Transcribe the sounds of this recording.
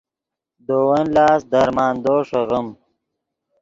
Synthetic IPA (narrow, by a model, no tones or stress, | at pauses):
d̪oːwɐnlɑːsd̪ɐɾmɑːnd̪oːʂoɣʊm